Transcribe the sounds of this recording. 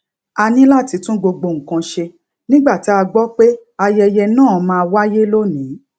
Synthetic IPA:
a˧nĩ˦la˦˨ti˨˧˦tũ˦ɡ͡bo˧ɡ͡bo˧˨ŋ̩˨kã˧ʃe˧ | nĩ˦ɡ͡ba˦˨ti˨˦a˧ɡ͡bɔ˦k͡pe˦ | a˧jɛ˧jɛ˧nãː˦˨˦mãː˦˧wa˦je˦lo˦nĩ˨˦

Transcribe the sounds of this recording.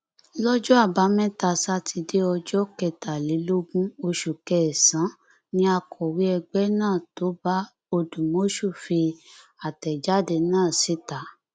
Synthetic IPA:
lɔ˦d͡ʒɔ˦a˦˨ba˨˦mɛ̃˦ta˧˨sa˦ti˧de˦ɔ˧d͡ʒɔ˦kɛ˧˨ta˨le˨˦lo˦ɡũ˦o˧ʃu˨kɛ˨ɛ˨sã˨˦ | nĩ˦a˧kʰɔ˨wi˨˦ɛ˧ɡ͡bɛ˦nãː˦˨to˨˦ba˦ | o˧dũ˨mo˨˦ʃu˦˨fi˧a˨tɛ˨d͡ʒa˦de˧nãː˦˨si˦ta˨˦

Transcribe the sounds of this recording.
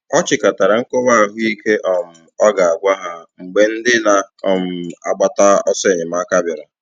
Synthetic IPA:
ɔ˦t͡ʃɪ˨ka˨ta˨ɾa˨ŋ̩˦kɔ˦ba˦˨ɦʊ˦i˦ke˦ʔɔ˨m̩˨ɔ˦ɡa˨a˨ɡʷa˦ɦa˨ŋ͡m̩˨ɡ͡be˦n̩˦dɪ˦na˨ɔ˦m̩˨a̰˨ɡ͡ba˦ta˦ɔ˦se˦˨ɲɪ˨ma˦ka˦bɪ˨ɾɔ˨

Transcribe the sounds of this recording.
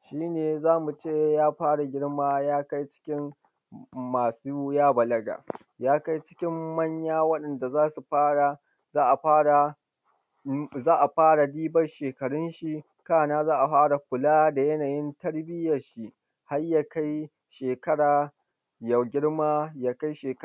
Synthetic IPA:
ʃiː˦neː˨zaː˦mu˨t͡ʃeː˦˨jaː˦ɸaː˦ɽa˨ɡʲɪ˦ɽmaː˦jaː˦ka˦jt͡ʃɪ̥˦kʲɪ˦m | maː˨suː˦jaː˦bɐ˨lɐ˦ɡa̰ː˨ | jaː˦ka˦jt͡ʃɪ̥˦kʲɪ˦mːɐ˦ɲjaː˦wɐ˦ɗɐ˨nda˨zaː˦su˨ɸaː˦ɽa˨ | zaː˦ʔa˨ɸaː˦ɽa˨ | zaː˦ʔa˨ɸaː˦ɽa˨diː˦bɐ˦rʃeː˨kɐ˨ɽʊ˦nʃi˨ | kaː˦˨naː˦zaː˦ʔa˨ɸaː˦ɽa˨kʷʊ˨laː˦da˨jɐ˦naː˨jɪ˦ntɐ˦ɽbɪ˦jɐ˨rʃi˦ʔ | ha˦rjaː˦ka˦j | ʃeː˨kɐ˦ɽaː˨ | jɐ˨ɡʲɪ˦ɽmaː˦jaː˦ka˦jʃeː˨k

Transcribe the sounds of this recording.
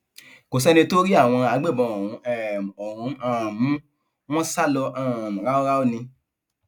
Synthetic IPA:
ko˨sɛ˦nĩ˧to˦ɾi˦a˦˨w̃ɔ̃˧a˨˧˦ɡ͡be˦˨bɔ̃˨˧o˨ũ˨˦ɛ˨o˨ɾũ˨˦ã˦˨m˦ | w̃ɔ̃˦sa˦lɔ˧ʔã˨mũ˨ɾa˦o˦ɾa˦o˦˨nĩ˧

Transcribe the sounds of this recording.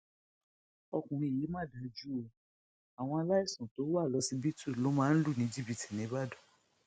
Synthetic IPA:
ɔ˧kũ˨ɾ̃ĩ˧˨i˨˦mã˦˨da˨˧˨d͡ʒu˦o˧ | a˨w̃ɔ̃˧a˧la˦i˦˨sũ˨to˨˦a˦˨lɔ˨˧si˧˦bi˦tu˦˨lo˨˦mãː˦n̩˦lu˦˨nĩ˨˦d͡ʒi˦bi˧ti˨nĩ˨˦ba˦du˦˨

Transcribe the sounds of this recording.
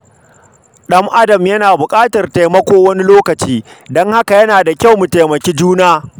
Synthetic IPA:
ɗɐ˦mʔa˦dɐ˨mjɐ˦naː˨bʊ˨kʼaː˦tɐ˨rta˨jmɐ˦kʷoː˦wɐ˦ni˦loː˦kɐ˨t͡ʃiː˦dɔ˦ŋha˦ka˨jɐ˦naː˨da˨kʲa˦˨wmu˨ta˨jmɐ˨kʲe˦d͡ʒuː˦naː˦

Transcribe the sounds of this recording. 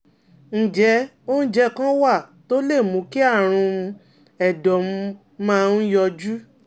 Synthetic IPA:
n̩˨d͡ʒɛ˧ | o˦n̩˦d͡ʒɛ˧kã˦wa˦˨to˦le˦˨mũ˨˦ki˦a˦˨ɾ̃ũ˧ | ɛ˨dɔ˨m˧ | mãː˦˧n̩˦jɔ˧d͡ʒu˦

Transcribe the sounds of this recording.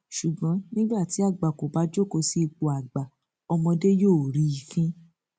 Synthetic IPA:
ʃu˨ɡ͡bɔ̃˨˦nĩ˦ɡ͡ba˦˨ti˨˦a˦˨ɡ͡ba˨ko˨ba˨˦d͡ʒo˦˨ko˧si˧i˧k͡po˨a˨ɡ͡ba˨ | ɔ˧mɔ̃˧de˦joː˦˨ɾi˨˦i˨kĩ˦

